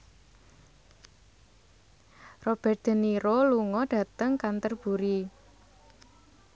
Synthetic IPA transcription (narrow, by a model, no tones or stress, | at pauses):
rob̥ɛ̤rt̪̚d̪̥ə̤niɾoluŋɔɖ̥ä̤t̪əŋkant̪ərb̥uɾi